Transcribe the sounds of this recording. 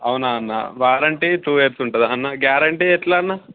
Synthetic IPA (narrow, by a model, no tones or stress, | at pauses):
ɐwunaːnːa̰ʋaːɾɐɳʈiʈuːʋeːɾsuɳʈud̪ɐnːaɡjaːɾɐɳʈiɛʈlaːnːa